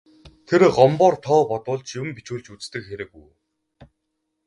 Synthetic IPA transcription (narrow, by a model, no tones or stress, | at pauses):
t̪ʰeɾɢɔmpɔːrt̪ʰɔːpɔt̪ʊːɮt͡ɕjʊmpit͡ɕuːɮt͡ɕut͡st̪ɘ̆kxeɾɘ̆kṵj